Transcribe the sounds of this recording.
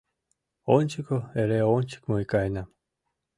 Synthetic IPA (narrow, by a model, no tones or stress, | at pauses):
onʲt͡ʃikoeɾeonʲt͡ʃi̥kmoikajnam